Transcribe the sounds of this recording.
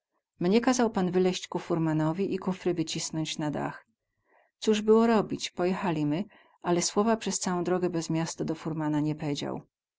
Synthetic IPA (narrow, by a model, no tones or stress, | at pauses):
mɲɛkazawpanvɘlɛɕt͡ɕkufuɾmanɔvʲiʔikufɾɘvɘt͡ɕisnɔɲt͡ɕnad̪a̰x | t̪suʐbɘwɔɾɔbʲit͡ɕpɔjɛxalʲimɘ | ʔalɛswɔvapʂɛst̪sawɔ̃d̪ɾɔɡɛbɛzmʲjast̪ɔd̪ɔfuɾmanaɲɛpɛd͡ʑa̰w